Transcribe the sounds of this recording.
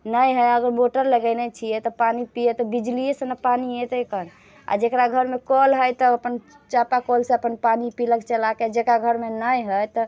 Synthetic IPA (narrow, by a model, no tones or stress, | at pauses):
nəjɦəjəɡəɾboʈəɾləɡəjnet͡ʃʰijɛt̪ɔpanipiɛt̪ɔbid͡ʒlijesənəpaniɦɛt̪ɔekən | a̰d͡ʒekɾaɡʱəɾmekɔlɦəjt̪ɔəpən | t͡ʃapakolsẽəpənpanipiləkt͡ʃəlaked͡ʒekɾaɡʱəɾmenəjɦəjt̪ɔ